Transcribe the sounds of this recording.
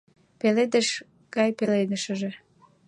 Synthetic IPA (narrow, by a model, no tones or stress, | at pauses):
peled̪əʃ | ɡɑjpelenəʃəʒe